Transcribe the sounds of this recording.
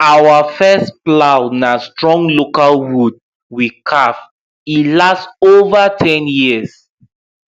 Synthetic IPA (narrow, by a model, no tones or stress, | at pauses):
awafɛsplaʊnastɹɔ̃ŋlokalwud̚ | wikʰaf | ĩlastovatʰɛ̃njiəs